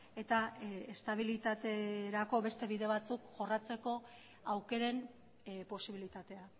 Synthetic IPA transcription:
e̞t̪aest̪aβ̞ilit̪at̪e̞ɾako̞βe̞st̪e̞βiðe̞β̞at͡sukʝo̞rat͡se̞ko̞ | awke̞ɾe̞n | po̞siβilit̪at̪e̞a

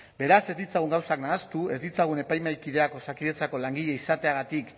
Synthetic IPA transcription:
be̞ɾase̞zd̪it͡saɣ̞uŋɡawsaknaːst̪ue̞zd̪it͡saɣ̞une̞pajmajkiðe̞ako̞sakiðet͡sako̞laŋɡiʎe̞isat̪e̞aɣ̞at̪ik

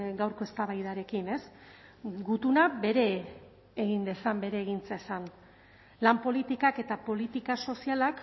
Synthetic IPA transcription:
ɡawɾkoe̞st̪aβajðaɾe̞kine̞s | ɡut̪unabe̞ɾe̞ː | ɣind̪e̞sambe̞ɾeːɣint͡sasan | lampo̞lit̪ikake̞t̪apo̞lit̪ikaso̞sialak

